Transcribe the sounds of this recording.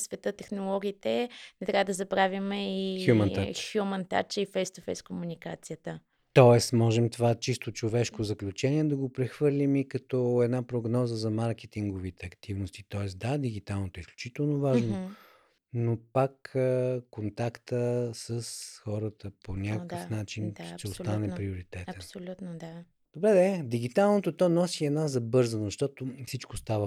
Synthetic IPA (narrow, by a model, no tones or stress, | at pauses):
svɛt̪ət̪ɛxnolˠɔɡʲiːt̪ɛnɛt̪ɾʲavəd̪ɐzɐbɾavʲimɛixjumɐnaxjumənt̪a̰t͡ʃəifɛjst̪ofɛjskomunikat̪sijət̪ə | t̪ɔɛsmɔʒɛmt̪ovat͡ʃist̪ot͡ʃovɛʃkozɐklʲut͡ʃɛnʲiɛd̪ɐɡopɾɛxvɤɾlʲimikɐt̪ɔɛd̪napɾoɡnɔzəzɐmaɾkɛt̪iŋɡovit̪ɛɐkt̪ivnost̪it̪ɔɛsd̪ad̪iɡ̟it̪alˠnot̪oɛisklʲut͡ʃit̪ɛlˠnovaʒno | nopakəkont̪akt̪əsəsxɔɾət̪əponʲakokəfnat͡ʃinʃt̪ɛost̪anɛpɾioɾit̪ɛt̪ɛnl | d̪̥obɾɛd̪ɛd̪iɡ̟it̪alˠnot̪ot̪ɔnɔsiɛd̪nazɐbɤɾzənzɐʃt̪ɔt̪ofsit͡ʃkost̪avə